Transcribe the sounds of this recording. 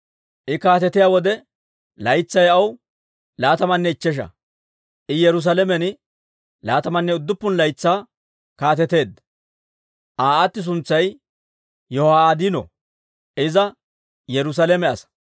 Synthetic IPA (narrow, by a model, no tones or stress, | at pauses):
ʔɪkaːt̪ɛt̪ɪjaːwɔd̪ɛ | lɐjt͡sːɐjɐw | laːt̪ɐmɐnːɛɪt͡ʃːɛʃ̬ɐ̰ | ʔɪjɛɾʊs̬alɛmɛnɪ | laːt̪ɐmɐnːɛʊd̪ːʊpːʊnlɐjt͡sːaː | kaːt̪ɛt̪e̞ːd̪ːɐ | ʔaːat̪ːɪs̬ʊnt͡sːɐj | jɔhaːaːd̪inɔ̰ | ʔɪzɐ | jɛɾʊs̬alɛmɛɐsɐ̥